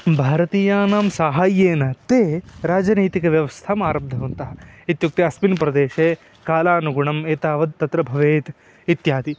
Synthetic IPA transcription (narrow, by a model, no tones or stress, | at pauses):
bʱaːɾɐt̪iːjaːnaːmsaːɦaːjeːnɐt̪eːɾaːd͡ʒɐniːt̪ikɐʋjɐʋɐst̪ʰamaːɾɐbd̪ʱɐʋɐnt̪ɐɦɐit̪juk̚t̪iɐsminpɾɐd̪eːʃeː | kaːlaːnuɡuɳɐmeːt̪aːʋɐd̪̚t̪ɐt̪ɾɐbʱɐʋeːt̪ | it̪jaːd̪i